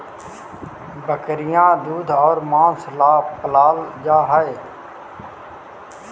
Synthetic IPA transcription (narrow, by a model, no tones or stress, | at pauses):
bəkɾɪjãːd̪uːd̪ʱɔːɾmãːslaːpəlaːld͡ʒaːɦaeː